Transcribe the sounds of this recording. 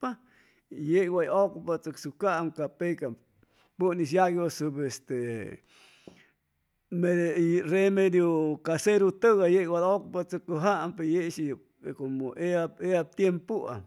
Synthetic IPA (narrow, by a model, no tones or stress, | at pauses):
pa | jeʔwajokpat͡səksukaʔmkapeka | puniʃ̬jaɡjosubest̪e | meremed̪jokaseɾut̪əɡajeʔwad̪okpat͡səkuɦaʔmpejeʔʃij | komoʔeaeab̚t̪jempua̰